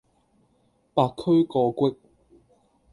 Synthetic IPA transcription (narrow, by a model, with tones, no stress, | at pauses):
paː˧kʰːɵ˥ɥkɔː˧kʷwɪ˥k̚